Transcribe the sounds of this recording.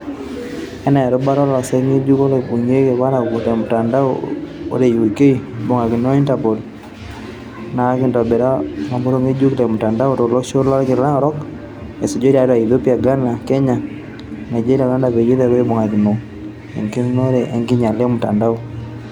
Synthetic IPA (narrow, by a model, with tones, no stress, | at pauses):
ɛ˦na˨ɛ˨ɾo˦ba˦ɾɔ˦lɔ˨sɛ˦ŋi˦d͡ʒu˦ko˦le˨bu˨ɲe˦ke˨βa˦ɾa˨ku˨ntɛ˨mu˨ta˨nda˦oo̰˦ɾe˨ju˨ke˦i˦bo˨ŋa˨ki˨no˦i˦nta˨po˨l | na˨˦kɪ˨ndɔ˨be˨ɾa˦ma˨bo˦ɾo˦ŋe˦d͡ʒu˦kle˨mu˨ta˨nda˦o˦to˨lo˦ʃo˦lɔ˦ɾkɪ˨la˦ɾɔ˦k | e˨se˨d͡ʒo˦ɾi˦a˨˦ɾa˨i˨ðo˦pi˦a˨ɡa˦na˨kɛ˦ɲa˨ | na˨d͡ʒe˦ɾi˦a˨ka˦nda˨βe˨ji˦ðɛ˦˨we˦bo˨ŋa˨ki˨no˨ | ḛ˨ŋki˦no˦ɾe˨ʔe˨ŋɡi˦ɲa˨le˦mu˨ta˨nda˦o˦